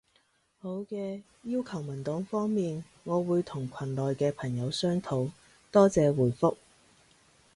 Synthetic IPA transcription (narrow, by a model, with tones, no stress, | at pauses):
ho˨˥wkɛː˧ | jiː˥wkʰɐ˨˩wmɐ˨˩nt̪ɔː˨˥ŋfɔː˥ŋmiː˨n | ŋɔː˨˧wuː˨˧jt̪ʰʊ˨˩ŋkʷʰɐ˨˩nlɔː˨jkɛː˧pʰɐ˨˩ŋjɐ˨˧wsœː˥ŋt̪ʰo˨˥˩w | t̪ɔː˥t͡sɛː˨˧wuː˨˩jfʊ˥k̚